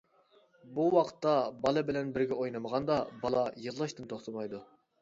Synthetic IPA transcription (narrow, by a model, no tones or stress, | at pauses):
buwɑqʰə̥t̪ːɑbɑlˠɨbɪlɛnbɪɾɡʲɛojnɨməʁɑnd̪ɑbɑlˠɑjɨllˠɑʃt̪ɨnt̪ʰoχt̪ʰɑmɑjd̪u